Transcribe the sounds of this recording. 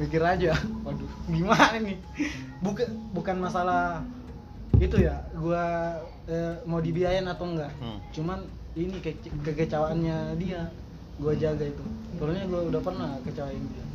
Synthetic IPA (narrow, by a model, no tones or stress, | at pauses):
mikiɾad͡ʒawaduɡimanini | bukabukanmasala | it̪ujaɡua | əmaudibiajanat̪oŋɡaʔt͡ʃuman | inikkəkət͡ʃawaːnɲadia | ɡuad͡ʒaɡait̪ut̪əloɲaɡuaudahpərnakət͡ʃawaindia